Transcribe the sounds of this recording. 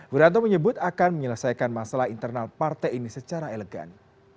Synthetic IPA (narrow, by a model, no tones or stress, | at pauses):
wuɾant̪oməɲəbʊt̪akanməɲələsajkanmasalahint̪ərnalpart̪ainisət͡ʃaɾaeləɡa̰n